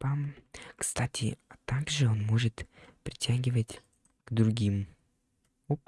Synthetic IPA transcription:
pamkst̪atʲɪ̰t̪aɡʐɨonmoʐɨt̪pɾʲɪtʲaɡʲɪvətʲ | ɡ̥d̪ɾʊɡʲim | op

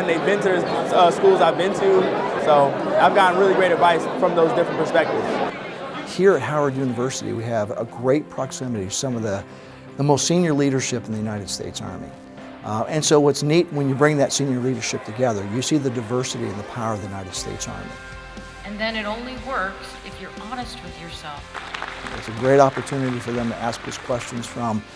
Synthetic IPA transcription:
ɨ̃nðeɪvbɪ̃ntɨ | ʌskulˠzaɪvbɪ̃ntʰʉsoʊaɪvɡɑʔn̩ɹɪlˠiɡɹeɪɾɨdvaɪsfɹʌ̃mðoʊzdɪfɹə̃npʰə˞spɛk̚tɨvz̥ | hiɹɨt̚haʊə˞djʉnɨvɜ˞sɨɾḭwiɨvə̰ɡɹeɪt̚pʰɹ̥ɑksɪmɨɾiʌ̥sʌ̃mʌvðɨ | ðəmoʊstsĩnjə˞liɾə˞ʃɪpn̩ðɨjʉnaɪɾɨd̥stḛɪtsɑ̰ɹmḭ | ɨ̃nsoʊwʌtsnit̚wə̃njɨbɹɪ̃ŋðɨtsĩnjə˞liɾə˞ʃɪp̚tʰɨɡɛðə˞jɨsiðɨdaɪvɜ˞sɨɾḭɨ̃nðəpʰaʊə˞ʌvðɨjnaɪɾɨd̥stḛɪtsɑ̰ɹmḭ | ɨ̃nðɨ̃nɨɾõʊ̃nliwɜ˞ks | ɨfjə˞ʔɑnɨst̚wɨðjə˞sɛlˠfɨtsɨɡɹeɪɾɑpə˞tʰʉnɨɾifə˞ðɨ̃mtʰɨʔæsk̚ðoʊz̥kʰw̥ɛst͡ʃɨ̃nz̥fɹʌ̃m

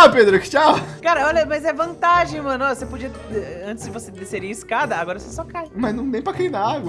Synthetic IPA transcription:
ped̪ɾʊkɪ̥t͡ʃawkaɾɐɔʎɐmɐzɛvɐ̃nt̪aʒẽj̃mɐ̃nʊasepod͡ʒiɐ | ɛɛɐ̃nt̪ɪzd͡ʒɪvosed̪eseɾiɐiskad̪ɐaɡɔɾɐsesɔkajmɐznɐ̃w̃d̪ẽj̃pɾɐkeinaaɡwɐ

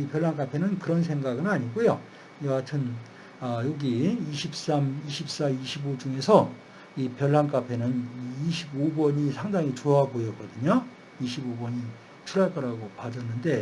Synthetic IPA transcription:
ipjʌɭɦank͈apʰe̞nɯnkɯɾʌns̬ʰe̞ŋɡaɡɯnaɲiɡujo | jʌɡatʰɯn | ʌjoɡiiɕʰip̚s͈amiɕʰip̚s͈aiɕʰibod͡ʑuŋe̞sʰʌ | ipjʌɭːank͈apʰe̞nɯnːɕʰibobʌɲisʰaŋdaŋit͡ɕoabojʌk͈ʌdɯɲo | iɕʰibobʌɲi | t͡ɕʰuɾaɭk͈ʌɾaɡopad͡ʑʌnːɯnde̞

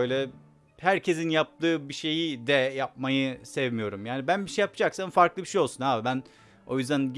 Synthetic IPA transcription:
øjlʲɛ | hæɾcʰe̞zinjap̚t̪ɯːbiʃe̞jid̪ɛjap̚majɯsɛvmijo̞ɾumjaːnibænbiʃejapɯd͡ʒaksanfaɾklˠɯbiʃejo̞lˠsunaːbibæn | o̞̰jyzd̪ænɟ

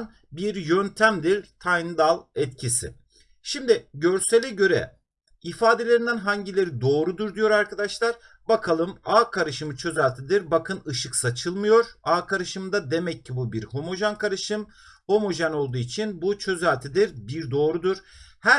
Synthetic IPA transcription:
n | biɾjønt̪ʰæmd̪iɾt̪ʰajnɯd̪alˠɛt̪cʰisḭ | ʃimd̪ɪɟøɾselʲɛɟø̞ɾɛ̰ | ifaːd̪elʲe̞ɾind̪ænɦaɲɟilʲe̞ɾid̪o̞ːɾud̪uɾd̪ijo̞ɾaɾkad̪aʃlˠaɾ̥ | bakʰalˠɯmaːkʰaɾɯʃɯmɯt͡ʃʰø̞zælʲt̪ʰid̪iɾbakʰɯnɯʃɯksat͡ʃʰɯlˠmɯjo̞ɾ̥aːkʰaɾɯʃɯmd̪ad̪e̞mɛcʰːibubiɾho̞mo̞ʒankʰaɾɯʃɯm | ho̞mo̞ʒanolˠd̪uːit͡ʃʰinbut͡ʃʰø̞zælʲt̪ʰid̪iɾbiɾd̪o̞ːɾud̪uɾ̥hæ

